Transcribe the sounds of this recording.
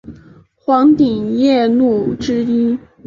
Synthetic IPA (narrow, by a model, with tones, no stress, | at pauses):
xwɑ˧˥ŋt̪i˨˩ŋjɛ˥˧nu˥˩ʈ͡ʂɻ̩˥i˥n